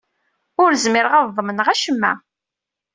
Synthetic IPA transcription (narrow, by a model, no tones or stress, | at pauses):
ʊɾzmɪɾʁɑvðˤəmənʁæʃəmːæ̰